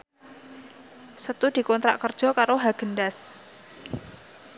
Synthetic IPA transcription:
sət̪ud̪̥i̤kɔnt̪ɾa̰ʔkərd̥ʒ̥ɔ̤kaɾoɦaɡ̥ə̤nɖas

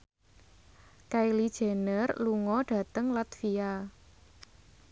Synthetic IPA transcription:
kajlid̥ʒ̥e̤nərluŋɔdɖ̥ä̤t̪əŋlat̪fia

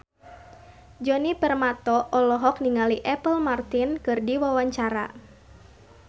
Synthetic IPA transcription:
d͡ʒɔnipərmat̪ɔʔɔlɔɦɔkniŋaliʔɛpəlmart̪inkɨrdiwawaɲt͡ʃaɾa̰

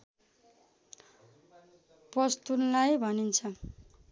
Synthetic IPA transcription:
pʌst̪unlajbʱʌnint͡sʰʌ

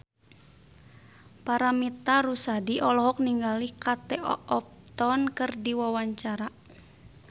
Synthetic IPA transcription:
paɾamit̪aɾusadiʔɔlɔɦɔk̚niŋɡalikat̪ɛʔɔ̰ɔp̚t̪ɔnkɨrdiwawaɲt͡ʃaɾa

